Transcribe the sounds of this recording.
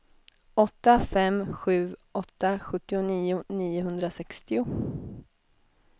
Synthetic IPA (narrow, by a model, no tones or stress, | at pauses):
ɔt̪ːafɛmːɧʉ̟ːʔɔt̪ːaɧɵt̪ːɪʊniːʊniːʊɦɵnd̪ɾasɛkst̪ɪʊ